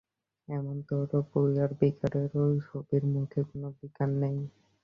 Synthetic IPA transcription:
ɛmont̪ɔɾopoɾiaɾbikaɾeɾojʃobiɾmud̪ʱʰekonobikanːej

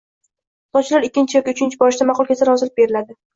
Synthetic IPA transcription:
t̪ɒt͡ʃʰɪlaɾɪkʲːɪnt͡ʃʰɪjɒkʲiʊt͡ʃʰɪnt͡ʃʰɪbɒɾɪʃd̪amɑqʊlˠkʲʰesaɾɒzɪlɪp̚be̞ɾɪlad̪ɪ

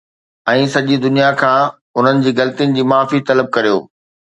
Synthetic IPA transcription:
ɛ̃ːsɐʄid̪ʊnijakʰãː | ʊn̤ənɪ̆d͡ʑiːɣɐlət̪ijənɪ̆d͡ʑiːmaːfit̪ɐləb̚kɐɾijo̰ː

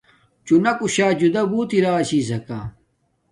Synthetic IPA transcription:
t͡ɕunɐkuɕaːd͡ʑud̪ɐbuːt̪iɾaːɐɕiːs̬ɐka̰ː

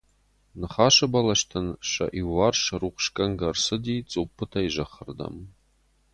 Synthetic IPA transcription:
nɨχaːʃɐbɐlɐʃtʰɨnʃɐ̰ʔiwːarʃruχʷʃkʼɐŋɡɐrsɨd̪iːt͡sʼupʰːɨtʰaiʒɐχərd̪ɐ̰m

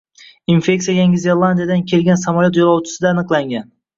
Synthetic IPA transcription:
infe̞kʲtsijajaŋʲɪzeɾlˠand̪ijad̪ankʲʰe̞lɡʲansamalʲjot̪jolˠɒwt͡ʃʰɪ̥sɪd̪aːnɨqlˠaŋɡʲan

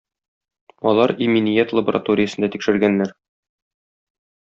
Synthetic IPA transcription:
ɒlˠɑɾiminijæt̪lˠəbəɾa̰t̪oɾʲɪjə̆sɤ̆nd̪æt̪ikʃɘ̆ɾɡænːæɾ

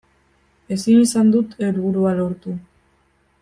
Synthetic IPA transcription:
e̞sinisand̪ut̪ʰeɾβuɾualo̞ɾt̪u

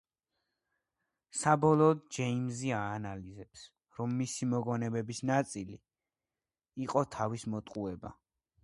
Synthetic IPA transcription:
sabɔlˠɔːd̪̚d͡ʒɛimziaːnalizɛps | ɾɔmːisimɔɡɔnɛbɛbisnat̪sʼili | qʼɔt̪ʰavismɔt̪ʼqʼuɛba̰

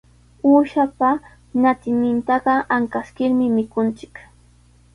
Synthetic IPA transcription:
uːʃapa | nat̪ɪnɪnt̪ɑɢɑʔaŋkaskɪɾmɪmɪkʊnt͡ʃɪ̥k

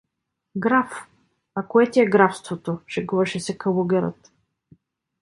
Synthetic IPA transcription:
ɡɾaf | akoɛt̪ʲiɛɡɾafst̪vot̪oʃɛɡuvɐʃɛsɛkɐluɡʲɛɾə̰t̪

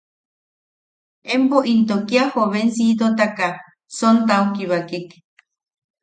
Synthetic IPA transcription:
empoʔint̪okiahoβensit̪ot̪aka | sont̪aukiβakek

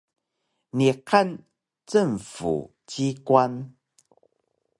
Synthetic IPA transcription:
nikʰan | t͡səŋfṵ | t͡ɕikwan

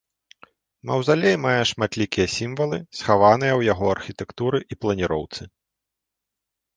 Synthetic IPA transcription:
mɐwzalʲejmajɛʂmat̪lʲikʲijɐsʲimvɐlˠɨsxavan̪ɨjɐwjaɣɔɐrxʲit̪ɛkt̪uɾɨʔiplˠɐnʲiɾɔwt̪sɨ

